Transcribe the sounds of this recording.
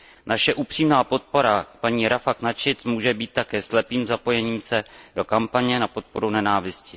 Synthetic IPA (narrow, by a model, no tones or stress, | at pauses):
nʔaʃɛʔupr̥iːmnaːpo̞t̪̚po̞ɾapaɲiːɾafaknat͡ʃɪt̪muːʒɛbiːt̪̚ːakɛːslɛpiːmzapo̞jɛɲiːmsɛdo̞kampaɲɛnapo̞t̪̚po̞ɾunɛnaːvɪscɪ